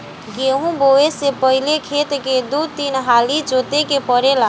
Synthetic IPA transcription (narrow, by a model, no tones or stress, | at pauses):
ɡeɦũboesepəɦilekʰet̪ked̪ut̪inɦalid͡ʒot̪ekepəɾela